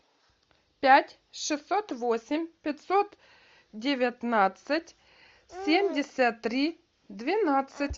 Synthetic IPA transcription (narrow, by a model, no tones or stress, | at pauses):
pʲætʲ | ʂɨsːot̪vosʲɪmʲpʲɪt̪sot̪ | dʲɪvʲɪt̪nat̪sɨtʲ | sʲemʲdʲɪsʲət̪ːɾʲi | d̪vʲɪnat̪sɨtʲ